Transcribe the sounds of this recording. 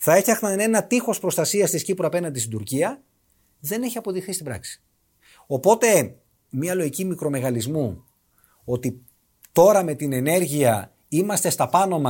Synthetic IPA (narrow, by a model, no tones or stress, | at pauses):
θɐe̞fçɐxnɐne̞nɐt̪ixo̞spɾo̞st̪ɐsiɐst̪iscipɾoɐpe̞nɐnd̪isid̪uɾciɐ | ðe̞neçiɐpo̞ðixθist̪ibɾɐ̰ksi̥ | o̞po̞t̪e̞ | miɐlo̞ʝicimikɾo̞me̞ɣɐlizmu | o̞t̪i | t̪o̞ɾɐme̞t̪ine̞ne̞ɾʝiɐ | imɐst̪e̞st̪ɐpɐno̞mɐ